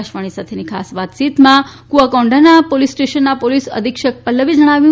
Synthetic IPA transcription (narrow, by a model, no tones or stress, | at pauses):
aʃʋaɽ̃isat̪ʰenikʰa̰sʋat̪t͡ʃit̪mãkuakɔ̃ɳɖanapolisʈeʃənːapolisə̰d̪ʱikʃək̚pəlːəʋid͡ʒəɽ̃aʋjũ